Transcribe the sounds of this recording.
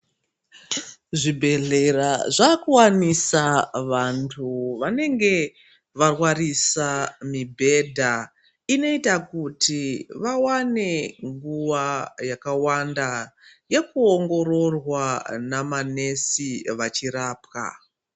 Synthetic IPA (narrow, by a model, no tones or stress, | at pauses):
ʐibʱe̞ɮe̞raʐakuwanisaʋantʰuʋane̞ŋɡe̞ | ʋarwarisamibʱe̞dʱa | ino̞itakutiʋawane̞ŋɡuʋajakawandaje̞kuoŋɡo̞ro̞rwanamane̞siʋat͡ʃiɾaːpka̰